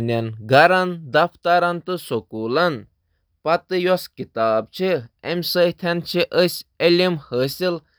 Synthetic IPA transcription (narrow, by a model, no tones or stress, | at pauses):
nʲɐnɡɐɾɐnd̪ɐft̪ɐɾɐnt̪ɨsokuːlɐn | pɐt̪ɨjɔskit̪aːb̚t͡ʃʰiemsəjt̪ʰɐnt͡ʃʰiʔəsʲelʲimhəːsil